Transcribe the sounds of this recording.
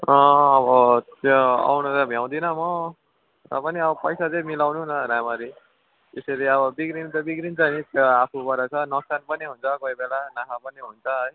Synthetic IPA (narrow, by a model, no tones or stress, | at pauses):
ʌ̃ːbʌt̪joa̰wnʌɾʌmʱjaw̃d̪inʌmʌ | rʌ̰pʌniʌbʌpʌjsat͡sʌĩmilawnunʌɾamaɾi | t̪esʌɾiʌβʌbiɡɾint̪ʌbiɡɾint͡sʰʌnit̪joapʰubʌɾʌt͡sʰʌnʌsanpʌniɦunt͡sʰʌkoibelanakʰapʌniɦunt͡sʰʌɦʌj